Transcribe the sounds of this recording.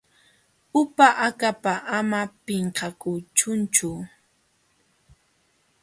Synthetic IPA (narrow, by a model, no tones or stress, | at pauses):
ʊpaʔakapaʔamapɪɴqɑkʊt͡ʃʊnt͡ʃʊ